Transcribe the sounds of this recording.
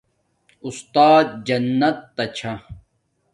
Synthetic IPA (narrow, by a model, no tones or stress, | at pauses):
ust̪aːt̪̚d͡ʑɐnːɐt̪ːɐt͡ɕʰa